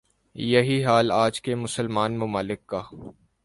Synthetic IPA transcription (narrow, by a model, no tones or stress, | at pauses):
jɐɦiɦaːlaːd͡ʒkemʊsəlmaːnmʊmaːlɪkːaː